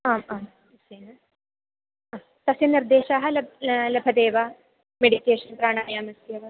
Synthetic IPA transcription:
aːmaːm | seːnɐ | ɐ | t̪ɐseniɾd̪eːʃaːɦɐlɐblɐbʱɐd̪eːʋa | meɽikeːʃɐnpɾaːɽ̃aːɳjaːmɐsjɐʋɐ

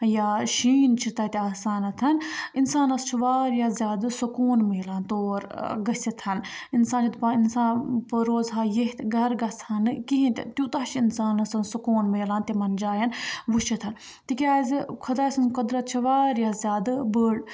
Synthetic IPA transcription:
jaːʃiːnt͡ʃʰit̪ɐt̪iaːsaːnɐt̪ʰɐninsaːnɐst͡ʃʰiʋaːɾjazʲjaːd̪ɨsukoːnmeːlaːnt̪oːɾɡɐsit̪ʰɐninsaːnt͡ʃʰit̪painsaːnpɐɾoːzɦaːjeɦt̪ɡɐɾɡɐsʰɐnɨkiɦĩnt̪ʲit̪ʲjut̪aɦt͡ʃʰiinsaːnɐsɐnsukoːnmeːlaːnt̪imɐnd͡ʒaːjɐnʋut͡ʃʰit̪ʰɐn | t̪ikʲaːzʲkʰɐd̪aːsɐnkɐd̪ɾɐt̪̚t͡ʃʰiʋaːɾjazʲjaːd̪ɨbəːɽ

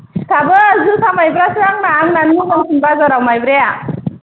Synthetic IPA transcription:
stʰabɯːzusʰamajbɾasaŋnaŋnanmubɔŋsʰunbazɔɾawmajbɾeja

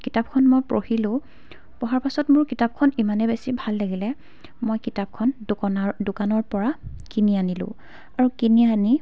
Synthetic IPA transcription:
kitap̚kʰɔnmojpɹohilʊ̃ | pɔɦaɹpasɔtmʊɹkitap̚kʰɔnimanɛbesibʱalːaɡilɛ | mojkitap̚kʰɔn | dʊkanɔɹpɔɹakinianilʊ̰̃ | aɹukiniani

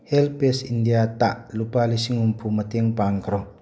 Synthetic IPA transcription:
hɛlpesindijat̪aʔlupalisiŋumpʰumɐt̪ɛŋpaŋkɾɔ

